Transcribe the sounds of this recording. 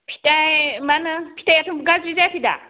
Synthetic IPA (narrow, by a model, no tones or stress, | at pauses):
pʰi̥tajmanɯpʰi̥tajatʰumɡazɾizajpʰida̰